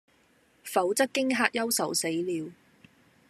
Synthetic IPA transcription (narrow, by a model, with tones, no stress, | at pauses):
fɐ˨˥wt͡sɐ˥k̚kːɪ˥ŋɦaː˧k̚jɐ˥wsɐ˨wse˨˥jliː˨˧w